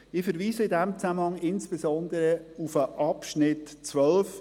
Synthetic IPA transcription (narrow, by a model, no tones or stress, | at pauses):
ɪfəɾviːzəɪdɛmt͡sæmənhɑŋɪnsb̥ezɔnd̪əɾəufəʔɑpʃnɪtt͡svœlf